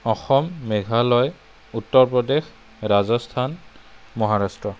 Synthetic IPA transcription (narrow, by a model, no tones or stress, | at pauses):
ɔxɔmːɛɡʱalɔj | utːɔɹpɹɔdex | ɹazɔstʰanmɔɦaɹastɹɔ